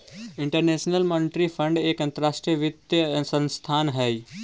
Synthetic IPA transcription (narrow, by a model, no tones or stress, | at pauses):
ɪɳʈəɾneːʃnəlmɔnɪʈɾifʰə̃ɳɖeːkɐ̃nt̪əɾaːʃʈɾijəʋɪt̪jəsə̃nst̪ʰaːnɦɛːi